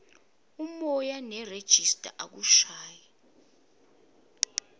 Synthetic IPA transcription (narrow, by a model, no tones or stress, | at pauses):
umɔjanɛred̥ʒ̥ʱistʼa̰ʔak̬uʃaːja